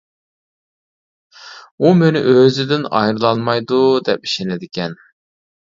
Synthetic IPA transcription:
umenɪ̰ʔøzɪd̪ɪnɑ̰jɾɨlˠɑnmɑjd̪ud̪ɛp̚i̥ʃenɪd̪ɪkʲɛn

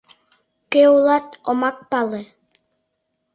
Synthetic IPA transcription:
keulˠɑt̪omɑk̚palˠe

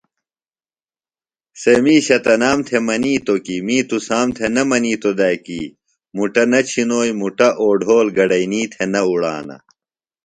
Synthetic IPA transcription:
semiːɕɐt̪ɐnaːmt̪ʰemɐniːt̪okimiːt̪usaːmt̪ʰenɐmɐniːt̪od̪ajkiː | muʈɐnɐt͡ɕʰinoːjmuʈɐʔoːɖʱoːlɡɐɖɐiniːt̪ʰenɐuɽa̰ːnɐ̰

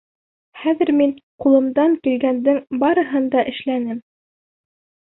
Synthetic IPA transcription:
χæðɘ̆ɾminqulˠɤ̆md̪ɑŋkilɡænd̪ɘŋbɑɾɤ̆ɦɤnd̪ɑʔɘ̆ʃlænɘm

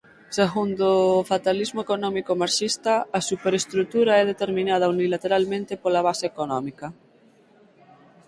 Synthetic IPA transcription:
seɣund̪ofat̪alizmoekonɔmikomaɾʃist̪aasupeɾest̪ɾut̪uɾaɛð̞et̪eɾmĩnað̞ɐunilat̪eɾalmẽnt̪epolaβ̞aseekonɔmikɐ

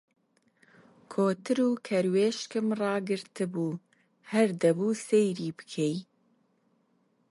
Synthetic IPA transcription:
kʰoːt̪ɨɾuːkʰɛɾweːʃkɨmrɑːɡɨɾt̪ɨbuː | hɛɾd̪ɛbuːsejɾiːbɨ̥kʰɛj

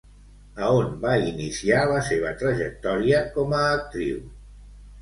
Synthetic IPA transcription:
əonbainisialəseβ̞ət̪ɾəʒək̚t̪ɔɾiəkɔməːk̚t̪ɾḭw

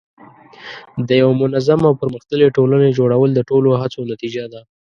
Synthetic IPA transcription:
d̪əjawamʊnazamawpəɾməxt̪əleʈolaned͡ʒoɽawəld̪əʈoloɦat͡sonat̪id͡ʒad̪a

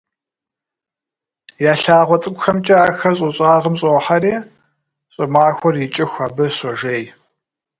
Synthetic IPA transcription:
jaːɬaːʁʷɔt͡sʼɨkʷʼxɐmt͡ʃʼaːxɐɕʼʊɕʼaːʁəmɕʼoːħaɾeː | ɕʼɨmaːxʷɔrjɪt͡ʃʼɪxʷaːbɐsɔʒeːj

